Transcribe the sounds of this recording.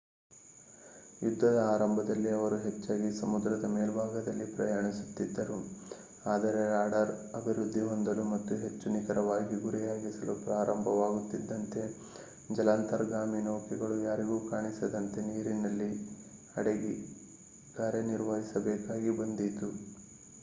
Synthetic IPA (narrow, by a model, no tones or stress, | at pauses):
jud̪ʱːɐd̪ɐaːɾɐmbʱɐd̪ɐlːiɐʋɐɾuɦe̞t͡ʃːaːɡisɐmud̪ɾɐd̪ɐmeːlbʱaːɡɐd̪ɐlːipɾɐjaːɳisu̥t̪ːid̪ːɐɾu | aːd̪ɐɾe̞ɾaːɽɐɾɐbʱiɾud̪ʱːiɦond̪ɐlumɐt̪ːuɦe̞t͡ʃːunikɐɾɐʋaːɡiɡuɾijaːɡisɐlupɾaːɾɐmbʱɐʋaːɡut̪ːid̪ːɐnt̪e̞ | d͡ʒɐlaːnt̪ɐɾɡaːminoːkiɡɐɭujaːɾiɡuːkaːɳisɐd̪ɐnt̪e̞niːɾinɐlːi | ɐ̰ɽeɡi | ɡaːɾeniɾʋɐɦisɐbɛːkaːɡibɐnd̪it̪u